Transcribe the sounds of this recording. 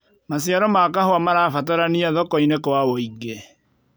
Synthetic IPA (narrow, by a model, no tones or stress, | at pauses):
masiaɾɔmakahoamaɾafat̬aɾaniaðɔkɔinekwawoiɡe